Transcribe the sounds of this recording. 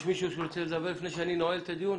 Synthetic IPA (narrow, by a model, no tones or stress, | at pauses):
ʃmiʃuʃuɾt͡selzabelifneʃeaninoelt̪ʰad̪jun